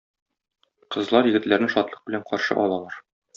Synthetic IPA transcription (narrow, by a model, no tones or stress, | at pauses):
qɤ̆zlˠɑɾjɘ̆ɡɘ̆t̪læɾnɘʃɒt̪lˠɤ̥q̚bɘ̆læɴqɒɾʃɤ̰ʔɒlˠɑlˠɑɾ